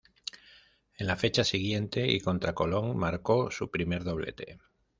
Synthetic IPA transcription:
enlafe̞t͡ʃasiɣ̞je̞nt̪eḭko̞nt̪ɾako̞lo̞ŋmaɾkosupɾime̞ɾðo̞β̞lḛt̪e̞̰

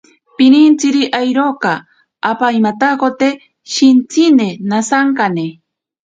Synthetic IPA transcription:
pinint͡siɾiʔajɾoka | apaimat̪akot̪e | ʃint͡sinenasaŋkane

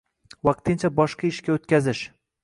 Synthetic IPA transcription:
wɑq̚t̪ɪnt͡ʃʰabɒʃqɑɪʃkʲaot̪̚kʲazɪʃ

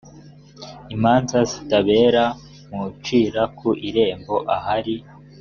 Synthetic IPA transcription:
imaːnzazitaβe̞ːɾa | mut͡ʃiːɾakʰuʔiɾe̞ːmbo̞ʔahaɾi

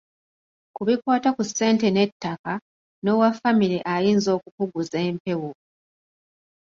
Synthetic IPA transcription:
kuβikwaːtakusːe̞ːnte̞ne̞tːaka | no̞wafamiɾiʔajiːnzo̞ːkukuɡuze̞ːmpe̞wo

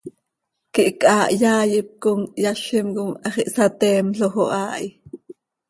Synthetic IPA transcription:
kiʔkʼʔaːʔjaːjip̚koŋjaɬimkoŋɑχiʔsat̪ɛːmɬoxoʔaːʔi

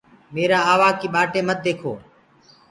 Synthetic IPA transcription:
meːɾaːaːʋaːkiːɓaːʈeːmət̪̚d̪eːkʰo̰ː

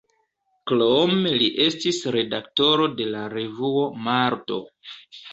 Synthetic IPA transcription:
klomeliʔe̞stisɾe̞dakto̞ɾo̞de̞laɾe̞vuo̞maɾto̞̰

